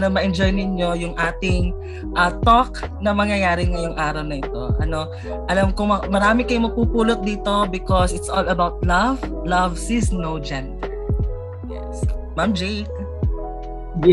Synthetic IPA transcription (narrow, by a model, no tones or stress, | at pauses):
nomɐʔɛnd͡ʒojnɪɲjo̞jʊŋʔaːt̪ɪŋ | ʔɐːt̪oknɐmɐŋjɐjaːɾɪŋɐjʊŋʔaːɾɐwnɐʔɪt̪o̞̰ʔɐno̞ | ʔɐlamkʊɐmɐɾaːmɪkɐjomɐɡ̚puːpuːlot̪̚d̪iːt̪o̞bɪkosɪt̪sʔolɐbawt̪̚lɐv | lɐvsɪsmnowd͡ʒɛnd̪ɛɹ | jɛ̰smamd͡ʒejk̚